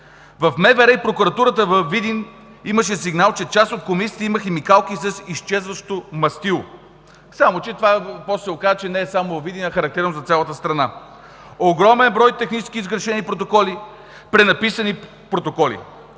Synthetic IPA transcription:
vɐfmɛvɛɾɛipɾokʊɾɐt̪uɾət̪əvɐfvid̪in | iməʃɛsiɡnalˠt͡ʃɛt͡ʃasot̪̚komisi̥t̪iməxɛmikalˠkisɐsiʃt͡ʃɛzvəʃt̪omɐst̪ilˠo̰ | samot͡ʃɛt̪ovapɔst̪sɛokazət͡ʃɛnɛːsamovɐvːid̪inɐxɐɾɐk̚t̪ɛɾnozɐt̪sʲjalˠət̪əst̪ɾɐna | oɡɾɔmɛnbɾɔjt̪ɛxnit͡ʃɛskʲiːzɡɾɐʃɛnipɾot̪okɔli | pɾɛnɐpisəni | pɾot̪okɔlḭ

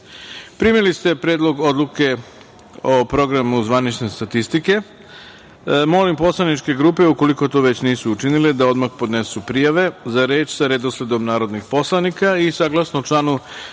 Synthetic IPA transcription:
pɾimilist̪e̞pɾed̪lo̞ɡo̞d̪lˠuke̞ | opɾo̞ɡɾamuzʋanit͡ʃne̞st̪at̪ist̪ike̞ | mo̞limpo̞slanit͡ʃke̞ɡɾuːpe̞ukoliko̞t̪o̞ːʋe̞t͡ɕniːsuːt͡ʃiniled̪ao̞d̪maxpo̞d̪nesupɾijaʋe̞zaɾe̞ːt͡ʃsaɾed̪osle̞d̪o̞mnaːɾo̞d̪nixpo̞slˠanikaisaɡlˠasnot͡ʃlˠanu

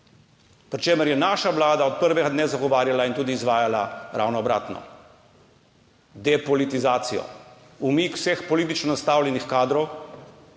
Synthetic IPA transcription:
pɾit͡ʃeːməɾjɛnaːʃaʋlaːd̪aɔt̪̚pəɾʋɛɡad̪neːzaɡɔʋaːɾjalaint̪uːd̪iːzʋaːjalaɾʔa̰wnɔːbɾa̰ːt̪nɔ̰ | d̪ɛpɔlit̪izaːt̪sijɔ̰ | umiːkw̥sɛxpɔliːt̪it͡ʃnɔnast̪aːwlʲjɛnixkaːd̪ɾɔw

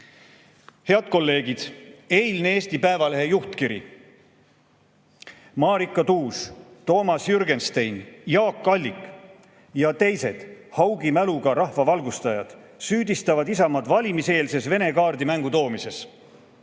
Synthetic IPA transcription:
he̞ɑd̪̥̚ko̞lːe̞ːɡ̥id̪̥e̞jlneeːst̪ipæevɑle̞ɦe̞juht̪kiɾḭ | mɑːɾikːˑɑt̪uːst̪o̞ːmɑsjyrɡe̞nst̪ejnjɑːkːɑlʲːikˑ | jɑt̪e̞jse̞d̪̥hɑwɡimæluɡ̥ɑɾɑhvɑvɑlɡust̪ɑjɑd̪̥ | syːd̪ist̪ɑvɑd̪isɑmɑd̪vɑlʲimise̞ːlse̞sve̞ne̞kɑːrd̪imæŋɡut̪o̞ːmise̞s

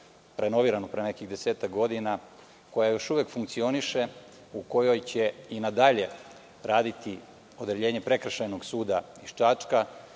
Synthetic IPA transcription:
ɾʔe̞no̞ʋiːɾanopɾeːnekiɣd̪eseːt̪akɡo̞d̪ina | ko̞jajo̞ʃuʋekfuŋk̚t̪sio̞niʃe | uko̞jo̞jt͡ɕeinad̪aʎe | ɾaːd̪it̪i | o̞d̪eʎe̞ːɲepɾe̞kr̩ʃajno̞ɡsuːd̪aiʃt͡ʃat͡ʂka

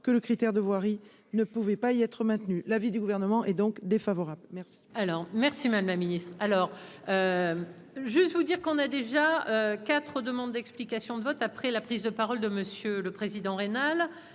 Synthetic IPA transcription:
kələkχit̪ɛʁd̪əvwaʁi | nəpuvɛpaiɛt̪χəmɛ̃t̪nylavid̪yɡuvɛʁnəmɑ̃ʔɛd̪ɔ̃kd̪efavɔʁablmɛʁsi̥alɔʁmɛʁsimammaminist̪χalɔːʁ | ø | ʒyst̪vud̪iʁkɔ̃nad̪eʒaøkʲat̪χəd̪əmɑ̃d̪d̪ɛksplikasjɔ̃d̪əvɔt̪apχɛlapχizd̪əpaʁɔld̪əməsjøləpχezid̪ɑ̃ʁenal

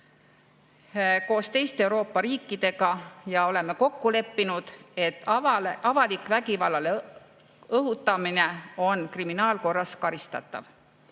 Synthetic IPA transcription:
ko̞ːst̪e̞jst̪eeuwɾo̞ːpːɑɾiːkːˑid̪̥e̞ɡ̥ɑjɑo̞le̞me̞ko̞kːule̞pːinud̪̥e̞t̪ːˑʔɑvɑlikːˑvæɡivɑlːɑl | ɤɦut̪ːˑɑmine̞o̞nkriminɑːlko̞rːɑskɑɾist̪ɑ̰t̪ːˑɑ̰v

